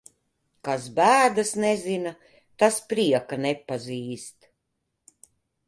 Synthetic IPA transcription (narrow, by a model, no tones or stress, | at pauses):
kasbæːd̪asnɛzina | t̪aspɾiɛkanɛpːaziːst̪